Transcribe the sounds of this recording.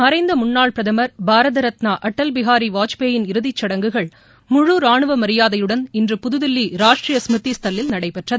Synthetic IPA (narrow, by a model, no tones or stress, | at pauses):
ɐɾɐɪnd̪ɐmʊɳːaːɭpɾɐðɐmɐɾbʱaːɾɐðɐɾɐt̪naːʔɐʈːɐlbɪɣaːɾiʋaːt͡ʃpeːjɪnɪɾɯðɪt͡ʃːɐɽɐŋɡɯɣɐɭ | mʊɻuːɾaːɳɯʋɐmɐɾɪjaːðɐjɯɽɐnɪndrɯpʊðɯðɪlːiɾaːʂʈrijɐsmɯt̪ːist̪ɐlːɪlnɐɽɐɪpɛʈrɐðɯ